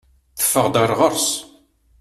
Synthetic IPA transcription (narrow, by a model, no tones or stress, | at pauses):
θə̥fːəʁd̪aɾˤʁəɾˤs